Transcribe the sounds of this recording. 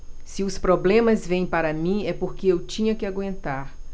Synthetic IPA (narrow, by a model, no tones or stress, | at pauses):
sɪʊspɾoblẽmɐzvẽj̃paɾɐmĩɛpoɾkɪewt͡ʃĩɲɐkɪaɡwẽnt̪aɾ